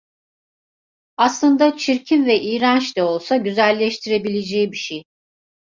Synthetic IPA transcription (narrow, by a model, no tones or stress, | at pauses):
aslˠɯnd̪at͡ʃʰiɾcʰinvɛʔiːɾant͡ʃt̪ɛo̞lˠsaɟyzælʲːɛʃt̪ʰiɾe̞bilʲed͡ʒɛːbiʃej